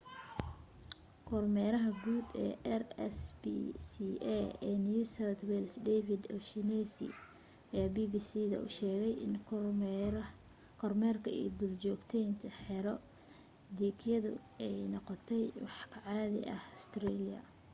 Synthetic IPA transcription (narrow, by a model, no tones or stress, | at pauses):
kʰɔrmɛɾɐɦɐɡuːd̪ɛ̰ːɛrsb̰siɛɛːnjuːsɐːt̪wɛlsd̪ɛfɪd̪ɔ̰fʃinɛsḭ | jaːbibisiðɐ̰ʔʊ̰ʃɛːɣɛjɪn | kʰɔrmɛːrkʰɐḭːd̪ult͡ʃɔːɡt̪ʰɛjnt̪ʰɐħɛɾɔ | d̪iːkʰjɐðʊ̰ɛjnɔqɔt̪ʰɛjwɑħkʰɐʕɑːðɪ̰ʔɐhɔst̪rɛlɪjɐ̰